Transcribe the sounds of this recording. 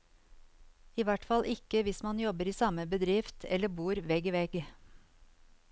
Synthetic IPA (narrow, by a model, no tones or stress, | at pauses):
iːʋæʈfɑlʔɪkəʋɪsmɑnjɔbəɾiːsɑməbəd̪ɾɪft̪ʰɛ̰ləbuːɾʋɛɡʋɛɡ